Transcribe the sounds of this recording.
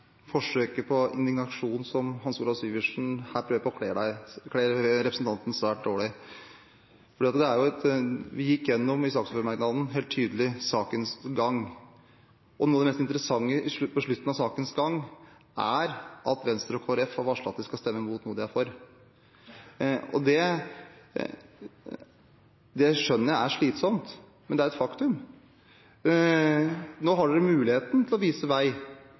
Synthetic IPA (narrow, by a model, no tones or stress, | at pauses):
fɔʂøːkəpʰɔɪ̰nd̪ɪɡnɑʂuːnsɔmɦɑnsuːlɑʋsyːʋɪʂn̩hæːɾpʰɾøːʋəpʰɔkʰleːɖæɪkʰleːɾɾɛpɾəsn̩t̪ɑnt̪n̩sʋæːʈ̚d̪oːɭɪ | fɔɖiːɑt̪d̪ɛæɾjʊɛt̪ʋɪjɪkːɪjɛnːɔmɪsɑːksføɾmɑɾɡnɑd̪n̩ɦeːlt̪ʰːyːd̪əlɪsɑːkənsɡɑŋː | ʔɔnuːəd̪ɛmɛst̪ɪnt̪əɾəsɑŋːəʔɪʂʉpɔʂɭʉt̪ːn̩ɑsɑːkənsɡɑŋː | ʔæɾʔɑt̪ʋɛnst̪ɾɔkʰoːɑɾɛfhɑɾʋɑːʂɭɑ̰t̪ːəskɑlst̪ɛmːəmuːt̪nuːəd̪ɛjæɪfoːɾ | ɔ̰d̪ɛ | d̪ɛjæɪʂœnːəɾjææʂɭiːt̪sɔmt̪ | mɛnd̪ɛæɾɛt̪fɑkt̪ʉm | noːɦɑɖʉɛmʉːlɪheːt̪nt̪ʰɪlɔʋiːsəʋæɪ